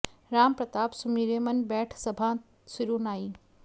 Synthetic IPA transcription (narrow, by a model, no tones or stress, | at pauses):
ɾaːmpɾɐt̪aːbsumiːɾeːmɐnbɛːʈʰsɐbʱãː | siɾuːnaːiː